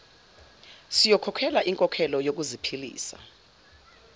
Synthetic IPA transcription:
sijɔkʰɔkʰɛlaʔiŋkʼɔkʰɛlɔjok̬uzipʰilḭːsa̰

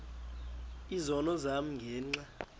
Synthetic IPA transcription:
izɔnɔzam̩ŋɡʱɛːŋ͡ǀa

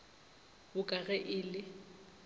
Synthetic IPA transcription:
bʊkʼaɣɛʔɪlɪ

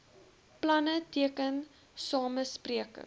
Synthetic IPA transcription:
plɐnətiəkən | sɑːməspriəkə̰

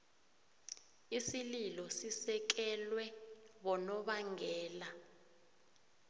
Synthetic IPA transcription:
isililɔsisɛk̬ɛlwɛɓɔnɔɓaŋʱɛːla

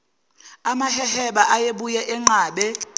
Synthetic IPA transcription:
amahɛhɛɓaʔajeɓujɛʔɛŋ͡ǃaːɓɛ

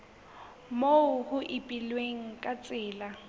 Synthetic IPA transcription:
moʊhʊʔɪpʼilweŋ̩kʼat͡sʼɪːla

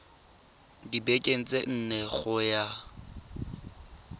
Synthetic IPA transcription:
dibekʼen̩t͡sʼen̩nɛɣʊja

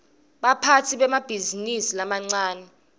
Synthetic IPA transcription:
ɓapʰatʰiɓɛmab̥ʱizinisilamaŋ͡ǀaːnɛ

